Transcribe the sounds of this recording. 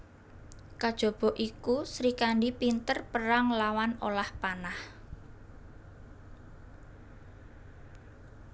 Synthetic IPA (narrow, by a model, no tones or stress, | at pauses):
kad̥ʒ̥ɔ̤b̥ɔ̤ʔikusɾikaɳɖipint̪ərpəɾaŋlawano̰lahpanah